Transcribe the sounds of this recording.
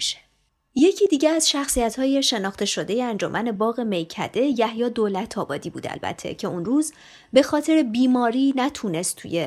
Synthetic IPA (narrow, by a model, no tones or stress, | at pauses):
ʃe̥ | je̞cʰiːd̪iːɟeæzʃæxsijæt̪hɒːje̞ʃe̞nɒːxt̪ʰe̞ʃo̞d̪e̞jeænd͡ʒomʔæne̞bɒːɣe̞mejcʰæ̰d̪e̞jæhjɒːd̪olæt̪ʰɒːbɒ̰ːd̪iːbuːd̪æ̰lbæ̰t̪ʰːe̞̰cʰe̞unruːz | be̞xɒːt̪ʰe̞ɾebiːmɒːɾiːnæt̪ʰune̞st̪t̪ʰṵje